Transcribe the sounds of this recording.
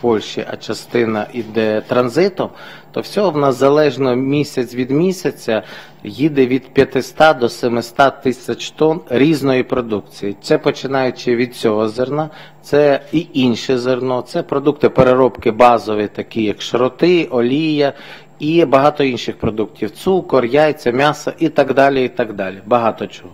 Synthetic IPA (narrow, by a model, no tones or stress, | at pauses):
pɔlʲʃiʔɐ̰t͡ʃɐst̪ɪnɐʔid̪ɛt̪ɾɐnzɪt̪ɔmt̪ɔwsʲɔɦɔwnɐzɐlˠɛʒnɔmʲisʲɐt͡sʲʋʲid̪mʲisʲɐt͡sʲɐ | jid̪ɪʋʲid̪pʲjɐt̪ɪst̪ɑd̪ɔsɛmɪst̪ɑt̪ɪsʲɐt͡ʃt̪ɔnɾʲiznɔjipɾɔd̪ukt͡sʲijit̪sɛpɔt͡ʃɪnɑjʊt͡ʃɪʋʲid̪̚t͡sʲɔɦɔzernɑt̪sɛiinʲʃɛzernɔt̪sɛpɾɔd̪ukt̪ɪpeɾeɾɔpkɪbɑzɔʋɪt̪ɐkʲijɐkʃɾɔt̪ɪʔɔlʲijɐ | ibɐɦɑt̪ɔinʃɪxpɾɔd̪uk̚tʲiwt̪sukɔrjajet͡sʲːɐmʲɑsɐʔit̪ɑɡd̪ɑlʲiit̪ɑɡd̪ɑlʲibɐɦɑt̪ɔt͡ʃɔ̥ɦɔ